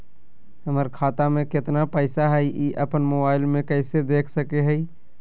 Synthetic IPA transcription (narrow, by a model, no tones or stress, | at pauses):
ɦəməɾkʰaːt̪amẽkɪt̪napəɪsaɦəʔiʔəpənmobaːɪlmẽkəɪsed̪eːkʰsəkeɦəi